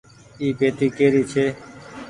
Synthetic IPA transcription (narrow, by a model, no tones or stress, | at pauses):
iːpeːt̪iːkeːɾiːt͡ʃʰeː